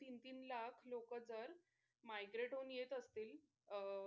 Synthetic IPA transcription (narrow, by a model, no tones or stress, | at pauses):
t̪int̪iːnlakʰlokəd͡zəɾ | majɡɾeʈɦonjet̪əst̪iːl